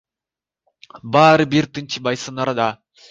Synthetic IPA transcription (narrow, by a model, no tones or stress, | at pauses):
bɑːɾɯbiɾt̪ɯnt͡ʃʰɯbɑjsɯnɑɾɑd̪ɑ